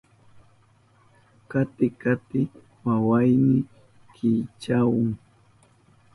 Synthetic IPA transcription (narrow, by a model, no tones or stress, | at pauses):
kat̪ɪkat̪ɪ | wawajnɪ | kʰɪjt͡ʃawʊŋ